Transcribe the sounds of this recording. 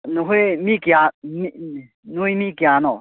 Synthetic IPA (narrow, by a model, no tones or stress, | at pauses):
nuɦumikiami | nujmikianɔ